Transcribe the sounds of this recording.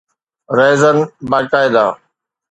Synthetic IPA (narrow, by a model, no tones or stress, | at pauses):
ɾeːzənbaːkaːɪd̪aː